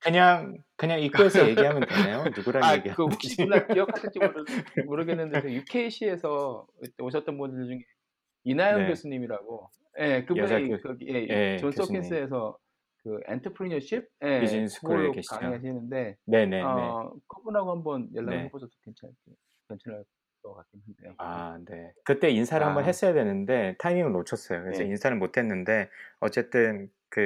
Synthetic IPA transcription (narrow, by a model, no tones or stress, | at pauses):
kɯɲaŋ | kɯɲaŋikʰoesʰʌje̞ɡiɦamjʌntaajonuɡuɾaaɡikɯakiʌkʰatʰet͡ɕ͈ʰimoɾɯmoɾɯɡenːɯndesʰɯjukʰe̞iɕʰie̞sʰʌḭt͈eoɕ̬ʰʌt͈ʌnbundɯɭd͡ʑuŋe̞ | inajonɡjosʰuɲimiɾaɡo | je̞kɯbunikɯje̞t͡ɕons͈ʰʌins͈ʰɯe̞s̬ʰʌ | kɯḛntʰʌpʰɾiɲʌɕʰip̚je̞id͡ʑinsʰu̥k͈ʰoɾokɯɕʰkiad͡ʑŋaeaɕʰinɯnde̞ne̞ne̞ʌkʰʌbunaɡohambʌnjʌɭːaaboʌto̥kent͡ɕʰake | kjʌnt͡ɕʰʌnaɭ | kʌkak͈imɦandeoane̞kɯt͈e̞insʰaɾɯɭhambʌnɦe̞s͈ʌjadwe̞nɯnde̞tʰaimiŋɯɭnot͡ɕʰʌs͈ʌjokɯɾesʰʌinsʰanɯnmotʰe̞nːɯnde̞ʌt͡ɕ͈e̞t͈ɯn | kɯ